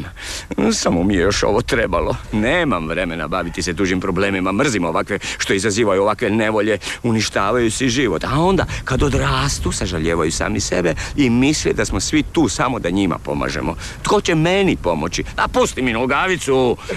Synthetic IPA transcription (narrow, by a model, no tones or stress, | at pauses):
a | samomijejo̞ʃo̞̰ʋot̪ɾebalo̞neːmamʋɾe̞me̞na̰baʋit̪ised̪uːʒimpɾo̞bleːmimamr̩zimoʋakʋeʃt̪o̞izaziːʋajuoʋakʋene̞ʋo̞ʎeuniʃt̪aːʋajusiʒiʋo̞t̪ao̞nd̪a̰kad̪od̪ɾaːst̪usaʒaʎeːʋajusa̰ːmisḛbeimislid̪asmo̞sʋit̪uːsamo̞d̪aɲima̰po̞̰ma̰ʒḛmo̞̰ | t̪ko̞t͡ɕemenipo̞mot͡ɕid̪apust̪iminulɡaːʋit̪su